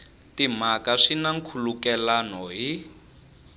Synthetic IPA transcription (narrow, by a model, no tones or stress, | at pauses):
timakaʂinaŋ̩kʰulukɛlanɔɦi